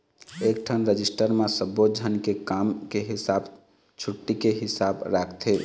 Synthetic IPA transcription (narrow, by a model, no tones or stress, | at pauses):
ek̚ʈʰənɾəd͡ʒisʈəɾmesəbːod͡ʒʱənkekamkeɦisab | t͡ʃʰuʈːikeɦɪsabɾakʰt̪ʰe